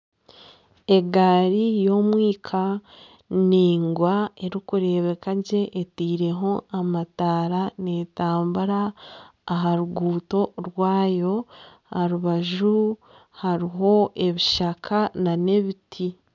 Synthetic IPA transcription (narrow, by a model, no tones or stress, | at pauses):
e̞ɡaɾijo̞ːmwiːkʰa | niːŋɡwae̞ɾikuɾe̞βe̞kaɟe̞ʔːtiːɾe̞ɦo̞amataːɾane̞taːmbuɾaː | ɦaɾuɡuːto̞ɾwaːjo̞ | aɾuβaʒu | haɾiɦo̞e̞βiʃakʰanane̞βitʰi